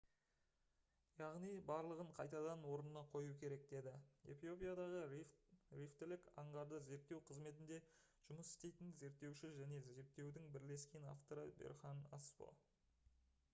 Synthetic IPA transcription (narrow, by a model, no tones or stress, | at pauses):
jɑʁnijbɑɾlˠəʁəɴqʰɑjt̪ɑd̪ɑnwo̞ɾənənɑqʰo̞jukʲʰe̞ɾe̞k̚d̪e̞d̪ɪe̞̰fijo̞pijad̪ɑʁə | rift̪ɪlɪkɑɴʁɑɾd̪əze̞ɾt̪ːe̞wqʰəzme̞t̪ɪnd̪e̞ | ʒ̥ʊməsɪ̥st̪e̞jt̪ɪnze̞ɾt̪ːe̞wʃɪʒæne̞ze̞ɾt̪ːe̞wd̪ɪŋbɪɾle̞skʲe̞na̰ft̪o̞ɾəbḛɾχɑnaspo̰